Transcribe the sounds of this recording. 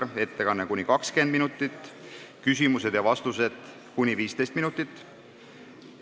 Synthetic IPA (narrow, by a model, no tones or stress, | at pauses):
e̞t̪ːe̞kɑnːekunʲikɑkske̞nd̪minut̪ːˑit̪ːˑkysʲimuse̞d̪̥jɑvɑst̪use̞d̪̥ | kunʲːiviːst̪e̞jst̪minut̪ːˑit̪ːˑ